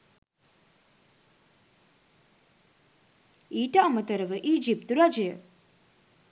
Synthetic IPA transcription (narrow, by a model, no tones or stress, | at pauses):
iːʈaɐmət̪əɾəʋəʔiːd͡ʒip̚t̪ɾad͡ʒe